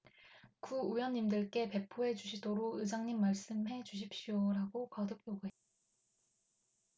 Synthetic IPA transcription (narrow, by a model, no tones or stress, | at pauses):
kuːjʌɲːimdɯɭk͈e̞pe̞pʰoe̞t͡ɕuɕʰidoɾoɯd͡ʑaŋɲimːaɭs͈ɯmɦe̞t͡ɕuɕ̬ʰip̚ɕ͈ioɾaɡokʌdɯk̚joɡoɦet͈a